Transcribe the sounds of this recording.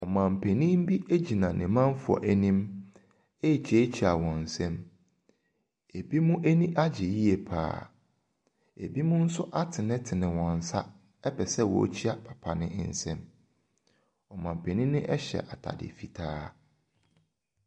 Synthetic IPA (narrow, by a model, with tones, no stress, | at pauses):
ɔ˨mã˨m̩˨pʰe˨nĩ˦m˦bi˦ʔe˦d͡ʑi˨nã˨nʔɪ̃˨mã˦n˦fʊ˨ɔ̰˨ʔæ˦nĩ˦m | e˦˨t͡ɕʰe˦t͡ɕʰi˨a˨wɔ̃˨n̩˨sɛ̃˦m | e˨bi˦mũ˦ʔe˦nĩ˦ʔa˦d͡ʑɪ˨ji˦e˨pʰa̰ː˦˨ | ḛ˨bi˦mʊ̃˦n̩˦sʊ˦ʔa˦tʰɪ˨nɪ̃˦tʰɪ˨nɪ̃˨wɔ̃˨n˨sa˦ | pʰɛ˨sɛ˦wɔ̰˨˦t͡ɕʰi˦a˨pʰḁ˨pʰa˨nɪ̃˦n̩˨sɛ̰̃˦m | ɔ˨mã˨m̩˨pʰe˨nĩ˦nɪ̃˦ʔɛ˦ɕɛ̰˨ʔa˨tʰa̰˨dɪ̰˨fi˨tʰaː˦